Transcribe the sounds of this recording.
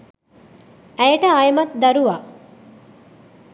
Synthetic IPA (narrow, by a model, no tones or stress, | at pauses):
æjɐʈɐajemɐt̪d̪ɐɾuʋa